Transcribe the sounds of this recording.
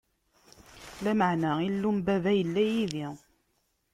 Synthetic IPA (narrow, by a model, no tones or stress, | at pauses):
læməʕnailːumbævæjəlːæjiði